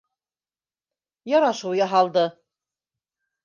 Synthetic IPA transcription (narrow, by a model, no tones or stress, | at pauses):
jɑɾɑʃuwjɑɦɑlˠd̪ɤ